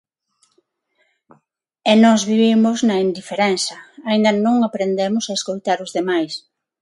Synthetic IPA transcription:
enɔzβiβ̞imʊznɐind̪ifeɾɛnθɐaĩnd̪ɐnõŋapɾend̪emʊsaeskojt̪aɾʊzðemajs

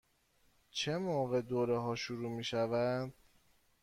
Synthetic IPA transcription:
t͡ʃʰe̞moːɣe̞d̪oːɾeɦɒːʃuɾuːmiːʃævæd̪̥

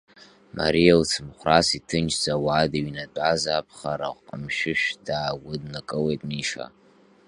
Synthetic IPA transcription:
ma̰ɾijalt͡sʰɨmχʷrasitʰɨnt͡ʃʰd͡zʼawaːdaɥinadʷʼazaːpʰχaɾaʁʷqʼəmʃɪʃᶣd̥aːɡʷʊdnakʼɨlejtʼniʂa̰

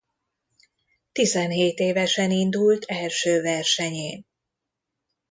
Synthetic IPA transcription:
t̪izɛnɦeːt̪eːvɛʃɛnind̪ult̪ʰɛlʃøːvɛrʃɛɲeːn

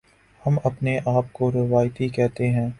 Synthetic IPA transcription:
hɐmɐpneʔaːp̚koɾɐʋaːjt̪ikɛɦt̪eɦɛ̃ː

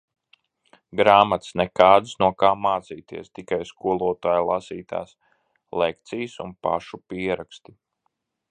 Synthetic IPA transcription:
ɡɾaːmat̪snɛkaːd̪snuɔkaːmaːt̪siːt̪ḭɛst̪ikajskuɔlˠuɔt̪aːjlˠasiːt̪a̰ːs | lekt̪sijsunpa̰ʃupiɛɾakst̪i

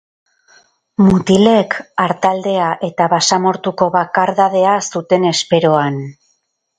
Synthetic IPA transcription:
mut̪ile̞kaɾt̪ald̪e̞aʔe̞t̪aβasamo̞ɾt̪uko̞βakaɾðað̞e̞asut̪e̞ne̞spe̞ɾo̞an

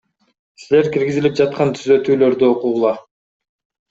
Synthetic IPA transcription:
sile̞ɾkʲiɾɡizilʲip̚d͡ʒɑt̪̚qɑnt̪ʰyzø̞t̪yːlø̞ɾd̪yo̞quːlˠɑ

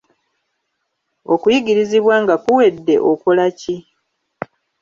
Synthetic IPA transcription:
o̞kujiɟiɾiziβwaːŋɡakuwe̞dːe̞̰ʔokolaci

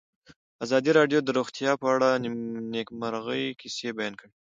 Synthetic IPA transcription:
azɑd̪iɾɑɖjod̪əɾoxt̪jɑpəaɽanekməɾɣəjkʰisebajɑnkəɽ

